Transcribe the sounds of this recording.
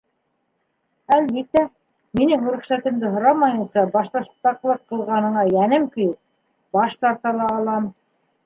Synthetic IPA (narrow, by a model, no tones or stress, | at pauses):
ælβit̪ːæ | minɘŋuɾɘ̆χʃæt̪ɘ̆md̪ɘɦŏɾɑmɑjɤ̆nsɑbɑʃt̪ˠɑʃt̪ːɑqlˠɤqqːɤ̆lˠʁɑnɤ̆ɴɑjænɘmkɵ̆jɘp̚ | bɑʃt̪ɑɾt̪ɑlˠɑːlˠɑm